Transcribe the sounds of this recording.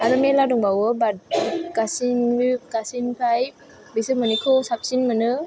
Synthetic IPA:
aɾmeladɔŋbawɯbad̚kasinikasinpʰajp̚ | bisɯmɔnikʰɔsap̚sinmɯnɯ

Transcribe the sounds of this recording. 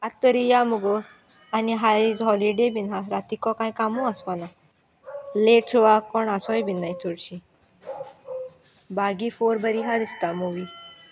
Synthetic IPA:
at̪ːɔɾijamuɡo | aniɦaɾizɦɔliɖebinaɾat̪ikɔkãj̃kamuaspana | leʈsʰoʋakɔɳasɔjbinːajt͡soɽɕi | baɡifoɾbəɾiɦad̪ist̪amuʋi

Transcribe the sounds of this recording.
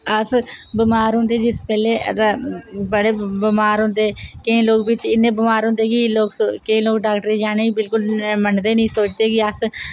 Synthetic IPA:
əsbɪmaːɾɦʊ̃nd̪eːd͡ʒɪspɛːleːt̪abəɽeːbɪmaːɾɦʊ̃nd̪eːkəĩːloːɡbɪt͡ʃɪnːẽːbɪmaːɾɦʊ̃nd̪eːɡiːloːɡkəĩːloːɡɖaːkʈəɾiːd͡ʒaːneːibɪlkʊlmənd̪eːnəĩːsoːt͡ʃd̪eːɡiːəs

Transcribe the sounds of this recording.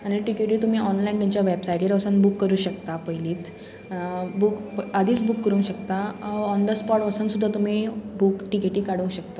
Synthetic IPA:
aniʈikeʈiːt̪um̤iːʔɔnlaint̪iɲt͡ɕjaʋebsajʈiɾʋəsənbukːəɾuːɕəkt̪apəjliːt͡s | buk | ad̪ʱiːt͡sbukːəɾũŋɕəkt̪aɔnd̪əspɔʈʋəsənsud̪ʱːat̪um̤ibukʈikeʈiːkaɽ̤ũŋɕək̚t̪a

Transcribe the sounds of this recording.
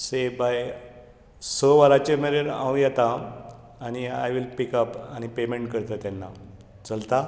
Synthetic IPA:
sebaj | səʋaɾat͡ɕemeɾeɾã̰wũjat̪a | añia̰jʋilpikəpañipemeɳʈkəɾt̪ət̪janːa | t͡səlt̪a

